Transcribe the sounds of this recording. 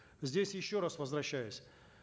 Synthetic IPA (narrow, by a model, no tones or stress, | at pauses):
zʲdʲesʲjɪɕːoɾasvəzvɾɐɕːæjʊsʲ